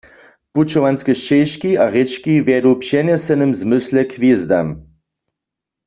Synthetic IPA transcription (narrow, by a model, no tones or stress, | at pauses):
put͡ʃɔvanskɛʃt͡ʃɛjʃkiaʁɛt͡ʃkivjɛdupʃɛnɛsɛnɨmzmʏslɛkʰvjezd̪a̰m